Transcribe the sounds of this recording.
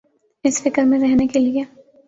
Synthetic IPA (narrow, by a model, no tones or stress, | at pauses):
ɪsfɪkəɾmẽɾɛɦnekelie